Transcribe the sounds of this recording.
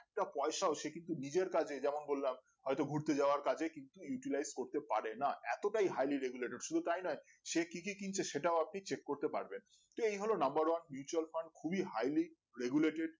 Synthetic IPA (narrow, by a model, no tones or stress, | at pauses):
ɛk̚ʈapɔeʃaoʃekint̪unid͡ʑeɾkad͡ʑʰed͡ʑɛmonbolːam | ɦɔet̪oɡʱuɾt̪ed͡ʑaoaɾkad͡ʑʰʱekint̪ujuʈilajzkoɾt̪epaɾenaɛt̪oʈajɦajliɾeɡuleʈeɖʃud̪ʱut̪ajnɔe | ʃekikikint͡ɕʰeʃeʈaoapnit͡ɕekːoɾt̪epa̰ɾben | t̪oejɦolonambaɾwanmjut͡ɕualfaɳɖ̚kʰubiɦajli | ɾeɡuleʈeɖ̚